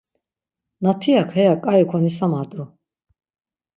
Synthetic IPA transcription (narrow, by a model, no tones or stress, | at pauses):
nat̪ʰiakʰɛjakʼajɔkʰɔnisamad̪ʼu